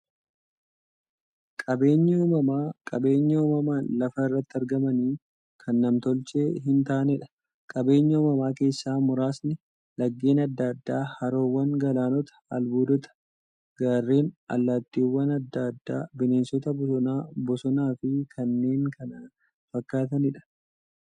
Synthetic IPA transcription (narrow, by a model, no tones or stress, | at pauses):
kʼɐbe̞ːɲːɐuːmɐmaːkʼɐbe̞ːɲːɐuːmɐmaːnlɐfɐrːɐt̪ːɪɐɾɡɐmɐniː | kʰɐnːɐmt̪ɔlt͡ʃe̞ːɦɪnt̪aːnɛᶑɐ̥ | kʼɐbe̞ːɲːɐuːmɐmaːke̞ːsːaːmʊɾaːsnɪ | lɐɡːe̞ːnɐd̪ːaːd̪ːaːhɐɾoːwːɐŋɡɐlaːnɔt̪ɐ̥ɐlbuːd̪ɔt̪ɐ̥ | ɡ̥aːrːeːnɐ̰lːaːt̪ːiːwːɐnɐd̪ːaːd̪ːa̰ːbɪne̞ːnsɔt̪ɐbɔsɔnaːbɔsɔnaːfɪkʰɐnːe̞ːŋkɐnɐ | fɐkːaːt̪ɐnɪᶑɐ̥